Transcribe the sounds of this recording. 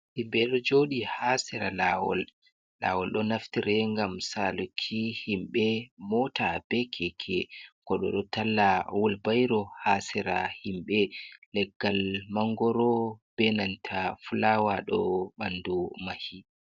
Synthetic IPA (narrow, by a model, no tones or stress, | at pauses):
himbɛɗɔd͡ʒoɗihasɛɾalawɔ̰lː | a̰wɔlɗɔnaftiɾɛŋɡamsalokʰːihimɓɛmɔtabɛkʰɛkʰɛkɔɗɔ̰ɗɔtalːawɔlbajɾɔhasɛɾa̰himɓɛlɛɡːalmaŋɡɔɾɔb̥ɛnantʰafulawaɗɔ̰ɓandumahi